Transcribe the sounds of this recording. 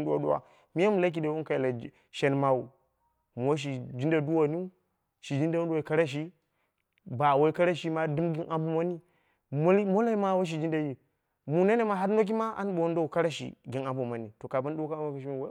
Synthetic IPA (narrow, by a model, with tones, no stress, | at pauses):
du˦wa˨ɗu˦wa̰˨ | mi˦a˦mu˨la˦k̬i˨da˨˦wu˦n˦ka˨jla˨ | ʃe˨nma˨wu˨ | m˨wa˦ʃ̬i˨d͡ʒi˦nda˨du˦wa˨ni˦ | ʃi˨d͡ʒi˦nda˦wu˦a˨ka˦ɾa˦ʃ̬i˦ | ba˨wa˦ka˦ɾa˦ʃi˦ma˦du˦mɡi˦nʔa˦mbu˦ma˦ni˦ | m˦mo˦la˦i˦ma˦wa˦ʃ̬i˨d͡ʒi˦nda˨ji˨ | mu˨na˦ne˦ma˨ɦa˦ɾno˦k̬i˦ma˦a̰˦n˦ɓo˨wn˦da˦u˨ka˦ɾa˦ʃḭ˨ɡi˨na˨mbu˨ma˨ni˨to˨ka˨ba˦n˦dka˦a˦ka˨ʃi˦m˨we˦